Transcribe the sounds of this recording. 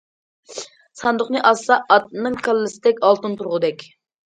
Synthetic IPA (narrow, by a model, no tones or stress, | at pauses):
sɑnd̪ʊχnɨʔɑsɑɑt̪̚mɪŋkʰɑlˠːɨsɪ̥d̪ɛkʲɑlˠt̪ɨnt̪uɾʁʊd̪ɛkʲ